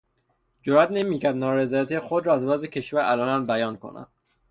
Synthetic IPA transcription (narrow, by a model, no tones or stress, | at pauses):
d͡ʒoɾæt̪ne̞miːcæɾd̪nɒːɾezɒːjæt̪ʰijexod̪ɾɒːæzvæzecʰe̞ʃvæɾæ̰lɒːnæmbæjɒːnkʰo̰nʔæ̰m